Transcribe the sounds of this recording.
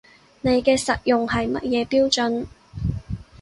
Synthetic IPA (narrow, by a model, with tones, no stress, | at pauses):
ne˨˧jkɛː˧sɐ˨t̚jʊ˨ŋhɐ˨jmɐ˥t̚jɛː˨˧piː˥wt͡ʃɵ˨˥n